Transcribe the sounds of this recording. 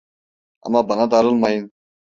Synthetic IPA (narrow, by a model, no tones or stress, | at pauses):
a̰mːɑbɑnɑd̪ɑɾɯlˠmɑjɯn